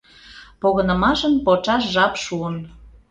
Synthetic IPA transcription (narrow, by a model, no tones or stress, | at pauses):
poɣənə̆mɑʃənpot͡ʃɑʃʒɑpʃuən